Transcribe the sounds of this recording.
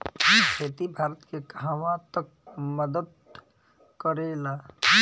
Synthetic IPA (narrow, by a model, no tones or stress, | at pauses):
kʰeːt̪ibʱaːɾət̪kekaːʋãt̪ək̚ | məd̪əd̪̚ | kəɾeːlaː